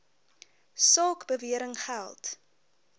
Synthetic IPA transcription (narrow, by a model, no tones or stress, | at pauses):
sɔlkbəviəɾəŋχælˠt